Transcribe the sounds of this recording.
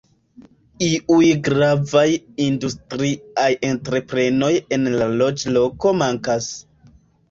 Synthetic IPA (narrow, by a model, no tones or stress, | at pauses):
iʔujɡɾavajindustɾiaje̞ntɾe̞pɾe̞no̞je̞nlalo̞d͡ʒlo̞ko̞maŋkas